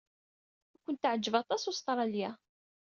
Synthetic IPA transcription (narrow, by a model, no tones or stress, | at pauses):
ækʷənt̪ʕəd͡ʒːəvɑt̪ˤɑsust̪ɾˤɑljæ